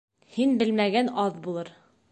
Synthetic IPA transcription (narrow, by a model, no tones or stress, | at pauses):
hinbɘlmæɡænɑðbulˠɤɾ